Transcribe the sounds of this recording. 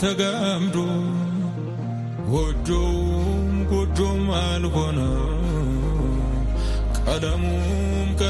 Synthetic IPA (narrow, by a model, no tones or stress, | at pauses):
t̪ɐɡamd̪u | ɡod͡ʒːomɡɔd͡ʒːomaːlkonɐ | kʼɐlɐmu | mkʼɐ